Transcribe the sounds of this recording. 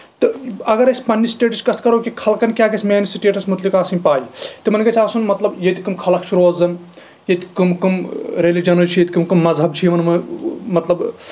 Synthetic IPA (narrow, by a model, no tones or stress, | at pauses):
t̪ɨɐɡɐɾɐsʲpɐnʲːisʈeːʈiskɐst̪ʰkɐɾoːkʲikʰɐlkɐnʲkʲaːɡɐsʲmʲeːnisiʈeːʈɐsmut̪likaːsinʲpaːjit̪ɨmɐnʲɡɐt͡ʃʰʲaːsunmɐt̪lɐbjɐt̪ʲikɨmkʰɐlɐkʰʃʰuɾoɐzɐm | jɐt̪ʲi̥kɨmkɨmɾelid͡ʒɐnɐlt͡ʃʰijɐt̪ʰʲikɨmkɨmːɐzɦɐb̚t͡ʃʰijmɐnmɐmɐt̪lɐb